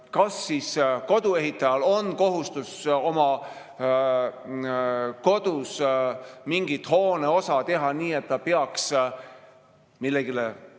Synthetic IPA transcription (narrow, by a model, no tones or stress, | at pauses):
kɑsːisko̞d̪̥ue̞ɦit̪ˑːɑjɑlo̞nko̞ɦust̪uso̞mɑ | ko̞d̪̥us | miŋɡ̥it̪ˑho̞ːneo̞sɑt̪e̞ɦɑniːe̞t̪ːɑpeɑks | milːeɡ̥ile